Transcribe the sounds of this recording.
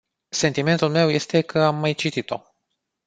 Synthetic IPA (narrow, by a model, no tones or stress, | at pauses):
se̞nt̪ime̞nt̪ulme̞wje̞st̪e̞kʰəamːajt͡ʃit̪it̪o̞̰